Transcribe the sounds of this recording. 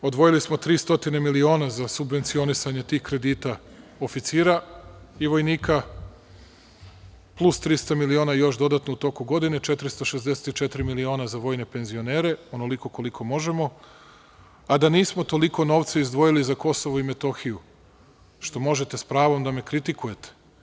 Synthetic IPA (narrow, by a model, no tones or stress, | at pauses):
o̞d̪ʋo̞jilismo̞t̪ɾiːst̪o̞t̪inemilio̞ːnazasubʋe̞nt̪sio̞nisaɲe̞t̪iːhkɾe̞d̪iːt̪a | ofit̪siːɾaiʋo̞jniːka | plˠust̪ɾist̪amilio̞ːnajo̞ʃd̪o̞d̪at̪nout̪o̞kuɡo̞d̪ine̞t͡ʃe̞t̪ɾist̪oʃezd̪ese̥t̪it͡ʃet̪ɾimilio̞ːnazaʋo̞ːjne̞pe̞nzio̞ne̞ːɾe̞o̞no̞liko̞ko̞likʰo̞mo̞ʒe̞mo̞ | ad̪aniːsmo̞t̪o̞liko̞noʋt̪saizd̪ʋo̞jilizako̞soʋoime̞t̪o̞xiju | ʃt̪o̞mo̞ʒe̞t̪e̞spɾaːʋo̞md̪ame̞kɾit̪ikuje̞t̪e̥